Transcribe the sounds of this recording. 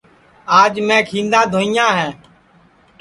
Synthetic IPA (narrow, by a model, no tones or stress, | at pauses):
aːd͡ʒmɛ̃ːkʰĩːnd̪ãːd̪ʱoːijãːɦɛ̃ː